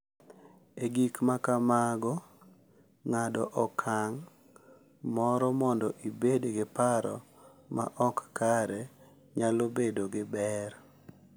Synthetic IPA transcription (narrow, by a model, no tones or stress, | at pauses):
eɡikmakamaɡɔ | ŋadɔʔɔkʰaŋ | mɔɾɔmɔndɔʔibedɡɪpaɾɔ̰ | ma̰ʔɔkːaɾɛ | ɲalobedoɡɪbɛr